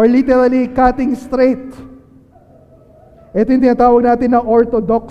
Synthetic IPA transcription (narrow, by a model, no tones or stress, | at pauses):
ɹlit̪ɛɾɐlikat̪ɪ̃ŋst̪ɾejt̪̚ | ʔɛt̪ojʊŋt̪ɪnaːt̪aːwɐɡ̚naːt̪ɪnːɐʔoɹt̪od̪ok̚